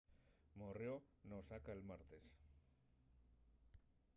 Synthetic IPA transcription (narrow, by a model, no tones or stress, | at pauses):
moreo | nosakaelmaɾt̪e̞s